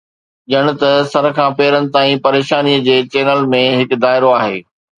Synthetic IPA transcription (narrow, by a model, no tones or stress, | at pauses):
ʄɐɽ̃ʊ̆t̪ɐsɐɾ̆kʰãːpeːɾənɪ̆t̪aːĩpɐɾeːʃaːnijəd͡ʑeːt͡ɕeːnəlmẽɦɪkd̪aːɪɾoaːɦḛː